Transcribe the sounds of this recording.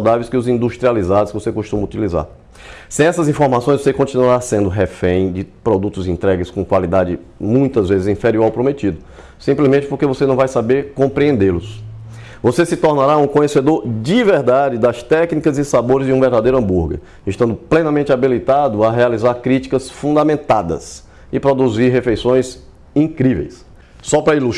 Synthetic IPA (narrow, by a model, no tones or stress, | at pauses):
sawd̪avejskɪʊzĩd̪uʃt̪ɾializad̪ʊskɪvosekuʃt̪ũmɐut̪iliza̰ɾ | sẽj̃ɛsɐzĩfoɾmasõj̃zvosekõnt͡ʃĩnuaɾasẽnd̪ʊɦɛfẽj̃d͡ʒɪpɾɔd̪ut̪ʊzĩnt̪ɾɛɡɪskõkwalid̪ad͡ʒɪ | mũj̃t̪ɐzvezɪzĩfɛɾiuawpɾomet̪id̪ʊ | sĩmplizmẽt͡ʃɪpoɾkevosenɐ̃w̃vajsabeɾkõmpɾiẽnd̪elʊs | vosesɪt̪oɾnaɾaũkõɲesed̪oɾd͡ʒiveɾd̪ad͡ʒɪd̪ɐst̪ɛknikɐzɪsaboɾɪzd͡ʒɪũveɾd̪ad̪ejɾʊɐ̃mbuɾɡɐ̰ | ɪʃt̪ɐ̃nd̪ʊplẽnɐmẽnt͡ʃɪabilit̪ad̪ʊɐɦealizaɾkɾit͡ʃi̥kɐsfũd̪amẽnt̪ad̪ɐ̰s | ɪpɾod̪uziɾɦefejsõj̃z | ĩkɾivḛjsː | ɔpɾɐilu